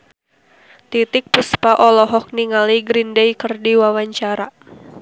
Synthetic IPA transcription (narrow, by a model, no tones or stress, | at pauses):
t̪it̪ɪk̚pəspaʔɔlɔɦɔk̚niŋaliɡɾindejkərdiwawaɲt͡ʃaɾa